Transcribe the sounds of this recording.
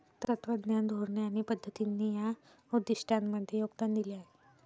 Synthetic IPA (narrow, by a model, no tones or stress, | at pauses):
t̪ət̪ʋəd̪njand̪ʱoɾɳeaɽ̃ipəd̪ʱːət̪inːija | ud̪isʈʰanməd̪ʱjejoɡ̚d̪and̪iliaɦe